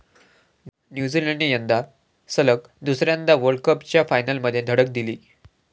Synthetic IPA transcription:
njud͡ziləɳɖijənd̪a | sələk | d̪usɾjãnd̪aʋəɾɖkəpt͡ɕjafajnəlməd̪ʱjed̪ʱəɽək̚d̪iliː

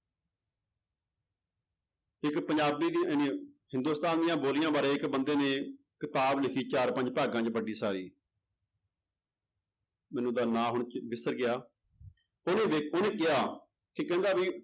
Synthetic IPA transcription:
ɪkpəɲd͡ʒaːbiːd̪inehɪ̃nd̪uːst̪aːnd̪ɪjãːboːlɪjãːbaːɾẽːɪkbənd̪eːneː | kɪt̪aːblɪkʰiːt͡ʃaːɾpə̃ɲd͡ʒpaːɡãːt͡ʃbəɖiːsaːɾiː | mɛ̃ːnũːd̪aːnãːɦʊɳt͡ʃbɪsəɾɡɪaː | onẽːʋeoːnẽːkɪjaː | kekɛ̃ːnd̪aːbiː

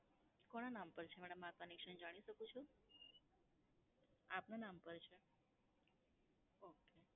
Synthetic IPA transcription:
kɔɽ̃anampəɾt͡ʃʰemɛɽəmakənekʃənd͡ʒaɽ̃iʃəkũt͡ʃʰũ | apnanampəɾt͡ʃʰe | oke

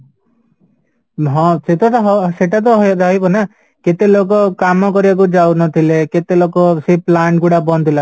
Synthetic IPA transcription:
ɦɔ̃set̪ɔt̪ɦseʈat̪̬ɔɦd̪ɦɔjbɔna | ket̪elok̬ɔkamɔkɔɾibak̬ud͡ʒawnɔt̪ʰileket̪elokɔseplaɳʈɡuɽabɔnd̪ʱila

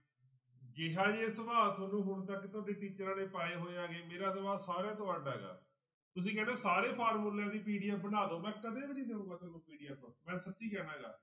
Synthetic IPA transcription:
d͡ʒɪɦaːd͡ʒesəbaːt̪ʰoːnũːɦʊɳt̪̬akːɪt̪ʊaːɖeːʈiːt͡ʃəɾaːɽeːpaːeːɦoːaːɡeːmeːɾaːsəʋaːsaːɾeãːt̪ʊaːɖɛːɡa̰ː | t̪ʊs̬ĩːkɛːneːsaːɾeːpʰaːɾmuːljãːd̪iːpiːɖijaːbənaːd̪oːmɛ̃ːkəd̪eːbiniːd̪eːũːŋɡaːt̪oːnũːpiːɖijaːpəɾmɛ̃ːsət̪ːʃiːkɛːɽãːɡa̰ː

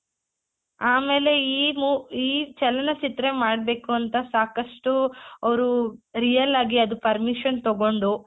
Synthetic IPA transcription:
aːmeːle̞iːmuiːt͡ʃɛlɐnɐt͡ʃit̪ɾemaːɽbe̞ːkuɐnt̪ɐsaːkɐʂʈuɐʋɐɾuɾijɐlaːɡiɐd̪upɐɾmiʂɐnt̪ɔɡo̞ɳɖu

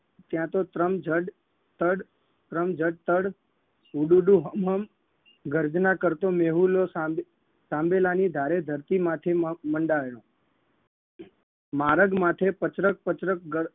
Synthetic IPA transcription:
t̪jãt̪ot̪ɾəmd͡ʒəɖ | t̪əɽ | t̪ɾəmd͡ʒəɽ̚t̪əɽ | uɖuɖuɦəmɦəm | ɡəɾd͡ʒnakəɾt̪omeɦulosa | sãmbelanid̪ʱaɾed̪ʱəɾt̪imat̪ʰeməɳɖaʋeɽõ | maɾəɡmat̪ʰepət͡ʃɾək̚pət͡ʃɾək̚ɡə

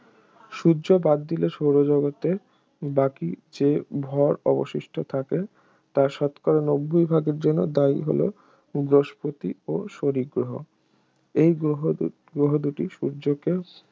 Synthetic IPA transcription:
ʃuːd͡ʑobad̪ːileʃowɾod͡ʑɔɡot̪e | bakid͡ʑebʱɔɾɔ̰bo̰ʃiʃʈʰot̪ʰake | t̪aʃɔt̪kaɾonobːojbʱaɡeɾd͡ʑonːod̪aiɦo̰lo̰ | ɡɾoʃpot̪ioʃoɾiɡɾoɦo̰ | ejɡoɦ | ɡɾoɦod̪uʈiʃuːd͡ʑoke

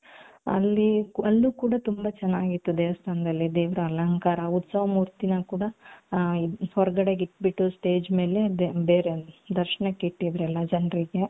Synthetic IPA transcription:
ɐ̰lːiɐlːukuːɽɐt̪umbɐt͡ʃɛnːaːɡit̪ːud̪eːʋɐst̪ʰaːnɐd̪ɐlːid̪eːʋɾɐɐlɐŋkaːɾɐut̪sɐʋɐmuːɾt̪inɐkuːɽɐ | hɔɾɐɡɐɽe̞ɡiʈːbiʈːusʈe̞ːd͡ʒme̞ːle̞beːɾed̪ɐɾʃɐɳɐkiʈːid̪ɾɐlːɐd͡ʒɐnɾiɡe̞

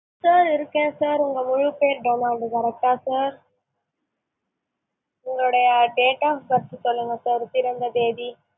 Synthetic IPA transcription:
saːɾɪɾɯkːẽːsaːɾʊŋɡɐmʊɻʊpeːɾɖomaːɳɖɯkɐɾɐk̚ʈaːsaːɾ | ʊŋɡɐɭɯɽɐjɐɖeːʈaːpɐɾt̪ːɯsɔlːɯŋɡɐsaːɾt̪ɪɾɐnd̪ɐd̪eːdi

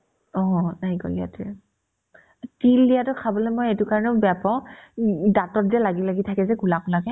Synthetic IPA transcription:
ɔɦɔ̃najkɔ̰lia̰tʊ | tilːijatʊkʰabɔlɛmojetʊkaɹɔnɛʊbɛjapaʊ̃datɔt̚zalaɡilaɡitʰakɛzɛɡulaklaɡɛ

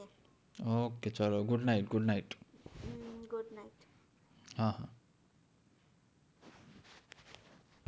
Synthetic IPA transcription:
oket͡ʃɔloɡuɖnajʈɡuɖnajʈ | ɡuɖnajʈ | hãɦã

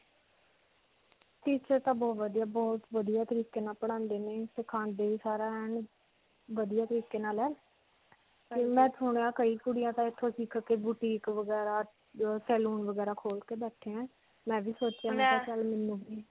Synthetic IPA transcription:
ʈiːt͡ʃəɾt̪ãːbɔːt̪ʋəd̪ijaːbɔːt̪ʋəd̪ijaːt̪əɾiːkeːnaːlpəɽ̃ãːnd̪eːneːsɪkʰãːnd̪eːiːsaːɾaːɛːn | ʋəd̪ijaːt̪əɾiːkeːnaːlɛː | teːmɛ̃ːt̪ʰʊːɳjãːkəiːkʊɽɪjãːt̪ãːɪt̪ʰːõːsiːkʰkeːbuʈiːkʋəɡɛːɾaː | sɛːluːnʋəɡɛːɾaːkʰoːlkeːbɛːʈʰːeːɛ̃ː | mɛ̃ːʋiːsoːt͡ʃjãːaet͡ʃəlmɪnːũːɡiː

